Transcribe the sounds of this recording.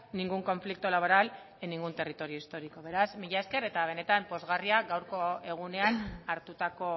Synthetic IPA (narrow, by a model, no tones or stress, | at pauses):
niŋɡuŋko̞ɱflik̚t̪ulaβ̞o̞ɾal | eniŋɡunt̪e̞rit̪o̞ɾio̞ist̪o̞ɾiko̞β̞e̞ɾazmiʎaeske̞ɾe̞t̪aβ̞e̞ne̞t̪ampo̞zɣariaɣawɾko̞e̞ɣ̞une̞anaɾt̪ut̪ako̞